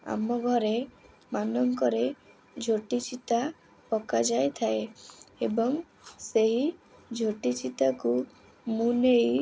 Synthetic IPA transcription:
a̰mɔɡʱɔɾe | manɔŋkɔɾe | d͡ʒʱoʈit͡ʃit̪a | pɔkad͡ʒajt̪ʰaeebɔŋ | seɦid͡ʒʱoʈit͡ʃit̪aku | mũnej

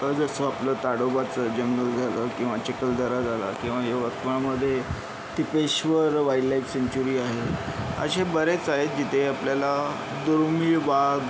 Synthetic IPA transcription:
əd͡zəsəapləːt̪aɽobat͡səd͡ʑəŋɡəld͡zʱaləkĩw̃ʋat͡ɕekəld̪əɾad͡zʱala̰kĩw̃ʋaɦeʋət̪ʋəɳaməd̪ʱːje | t̪ipeɕʋəɾʋajlaifseɲt͡ɕuɾiːaɦeə̰ɕebəɾet͡saɦet̪̚d͡ʑit̪ʰeapljala | d̪oɾmiːʋaɡ

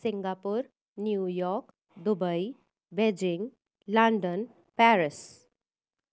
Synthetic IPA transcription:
siŋɡapuɾ | njujɔk | d̪ubəj | bed͡ʑiŋɡ | laɳɖən | pɛɾis

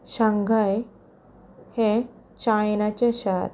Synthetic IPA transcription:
ɕaŋɡʱaj | hẽ | t͡ɕajnat͡ɕeɕaɾ

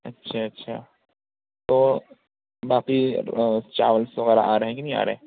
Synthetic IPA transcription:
ɐ̰tːʃʰaːɐtːʃʰa̰ː | t̪oː | baːki | t͡ʃa̰ːʋəlsʋɐɣɛːɾa̰ʔaːɾɐɦẽkinɐɦĩa̰ːɾɐ̰ɦẽ

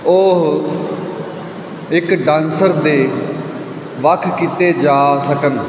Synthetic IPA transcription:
oɦ | ɪkɖãːnsəɾd̪eː | ʋəkʰːkiːt̪eːd͡ʒaːsəkən

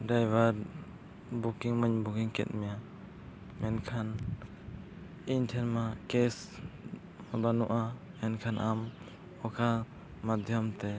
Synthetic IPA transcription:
ɖajbaɾ | bukiŋmaɲbukiŋkɛ̰t̪̚ˀmɛja | mɛnkʰan | inʈʰɛnmakɛs | ɔbanuʔa | mɛnkʰanʔam | ɔkʰa | mad̪ʱjɔmt̪ɛ

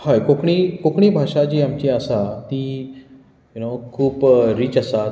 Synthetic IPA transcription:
hajkokɳ̃iːkokɳ̃iːbʱaʂad͡ʑiːamt͡ɕiːasat̪i | junokʰuːpɾiːt͡ɕasa

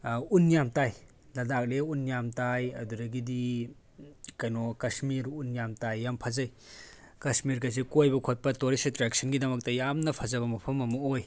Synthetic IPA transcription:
unjamtaj | lɐdak̚leunjamtajɐ̰duɾɐɡidi | kajnɔkɐsmiɾunjamtajːampʰazɐj | kɐsmiɾkas̬ekojbɐkʰot̚pɐtoɾisetɾek̚sʰɐnɡidɐmɐk̚tɐjamnɐpʰɐzɐβɐmɐpʰɐmɐmɐoj

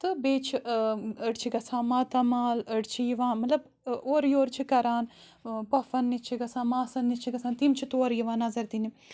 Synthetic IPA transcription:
t̪ɨbeːt͡ʃʰiəɽt͡ʃʰiɡɐsʰãːmãːt̪ɐmaːləɖt͡ʃʰijiʋãːmɐt̪lɐb | oːɾjoːɾt͡ʃʰikɐɾaːn | pɐfɐnːit͡ʃʰiɡɐsãːnmaːsɐnːit͡ʃʰiɡɐsaːnt̪imt͡ʃʰit̪oːɾjiʋãːnɐzɐɾt̪ini

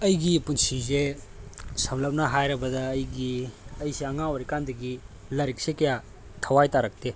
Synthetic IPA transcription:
ɐjɡipunsize | sɐmlɐp̚naɦajɾɐbɐdɐːjɡiɐjseɐŋawɔɾikandɐɡi | lɐɾik̚sekɐja | tʰɐwajtaɾɐk̚te

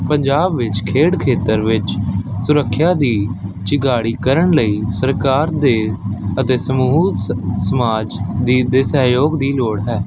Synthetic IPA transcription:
pəɲd͡ʒaːbʋɪt͡ʃkʰeːɽkʰeːt̪əɾʋɪt͡ʃsʊɾəkʰːjaːd̪iːt͡ʃɪɡaːɽiːkəɾəɳləiːsəɾkaːɾd̪eːət̪eːsəmuːsəmaːd͡ʒd̪id̪eːsəɦjoːɡd̪iːloːɽɦɛː

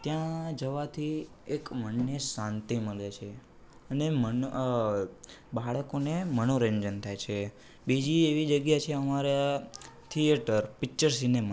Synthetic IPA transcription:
t̪jãd͡ʒəʋat̪ʰi | ekməɳːesãnt̪iməɭet͡ʃʰe | ənemən | baɭəkonemənoɾənd͡ʒənt̪ʰajt͡ʃʰe | bid͡ʒieʋid͡ʒəɡjat͡ʃʰeəmaɾa | t̪ʰijeʈəɾpik̚t͡ʃəɾsinema

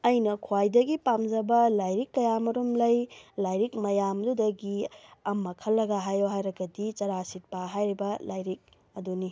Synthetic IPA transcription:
ɐjnɐkʰwajdɐɡipamd͡ʒɐbɐlajɾikːɐjamɐɾumlɐjlajɾik̚mɐjamɐdudɐɡiɐmːɐkʰɐlːɐɡaɦajoɦajɾɐɡɐdit͡ʃɐɾasit̚paɦajɾibɐlajɾik̚ | ɐduni

